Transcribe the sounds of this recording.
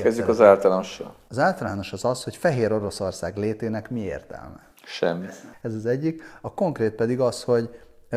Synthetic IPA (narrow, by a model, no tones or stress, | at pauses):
ɛzykɒzaːlt̪ɒlaːnoʃɒ̰lɒzaːlt̪ɒlaːno̞ʃɒzɒsho̞cfɛɦeːɾo̞ɾo̞so̞rsaːɡleːt̪eːnɛkmiḛːrt̪ɛ̰lmɛ̰ | ʃɛ̰mːiɛzɒzɛɟːikɒko̞ŋkreːt̪̚pɛd̪iɡɒsho̞ɟ